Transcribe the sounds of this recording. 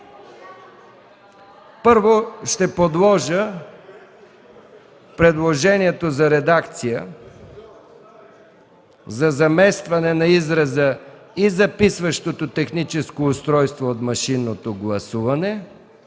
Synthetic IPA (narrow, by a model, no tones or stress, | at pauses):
pɤɾvoʃt̪ɛpod̪lˠɔʒə | pɾɛd̪lˠoʒɛniɛt̪ozɐɾɛd̪akt̪sijə | zɐzɐmɛst̪vɐnɛnɐizɾɐzəizɐpisvɐʃt̪ot̪ot̪ɛxnit͡ʃɛskoːst̪ɾɔjst̪voːt̪mɐʃinːot̪oɡlˠɐsuvɐnɛ